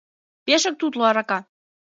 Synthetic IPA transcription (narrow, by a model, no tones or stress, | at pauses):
peʃə̆k̚t̪ut̪loɑɾɑkɑ